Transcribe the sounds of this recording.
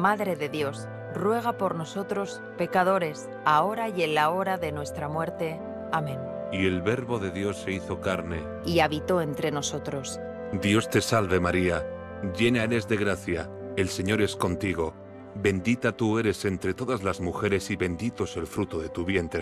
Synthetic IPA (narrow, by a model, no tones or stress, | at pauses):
maðɾe̞ðe̞ðjo̞s | rwe̞ɣ̞apo̞ɾno̞so̞t̪ɾo̞s | pe̞kað̞o̞ɾe̞s | ao̞ɾaje̞nlao̞ɾaðe̞nwe̞st̪ɾamwe̞ɾt̪e̞ | amẽ̞nie̞lβe̞ɾβo̞ðe̞ðjo̞sːeiθo̞kaɾne̞ | iaβit̪o̞e̞nt̪ɾe̞no̞so̞t̪ɾo̞s | d̪jo̞st̪e̞salβe̞maɾia | ɟ͡ʝe̞neaeɾe̞zðe̞ɣɾaθja̰e̞lse̞ɲo̞ɾe̞sko̞nt̪iɣo̞ | be̞nd̪it̪at̪ue̞ɾe̞se̞nt̪ɾe̞t̪o̞ðazlazmuxe̞ɾe̞siβe̞nd̪it̪o̞se̞lfɾut̪o̞ðe̞t̪uβje̞nt̪ɾe